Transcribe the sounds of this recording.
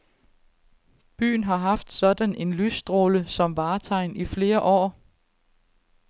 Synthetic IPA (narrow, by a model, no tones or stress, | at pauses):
b̥y̰ːnɦɑ̈ɦɑ̈fd̥sɒ̽d̥æne̝nlysd̥ʁo̝ːləsɒ̽mʋɑ̈ːt͡sʰɑ̈ɪnifle̝ːɐʔɒ̰ː